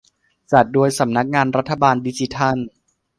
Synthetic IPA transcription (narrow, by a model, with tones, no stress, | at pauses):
t͡ɕa˨˩t̪̚du˧əjsa˩˦mna˦˥k̚ŋaː˧nɾa˦˥t̪ʰːa˧baː˧ndi˦˥t͡ɕi˧t̪ʰa˥˩n